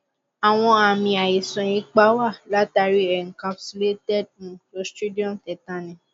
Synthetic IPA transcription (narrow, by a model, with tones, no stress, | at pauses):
a˨w̃ɔ̃˧a˨mĩ˧a˨i˨sɔ̃˨ĩ˦k͡pa˦wa˦˨la˦ta˧ɾi˦ɛ˨ŋ̩˨kã˧fsi˧le˦tɛ˦˨d̚nũ˨˦lo˧˦stu˦di˦ɔ̃˦mtɛ˨tã˨˧nɛ̃˨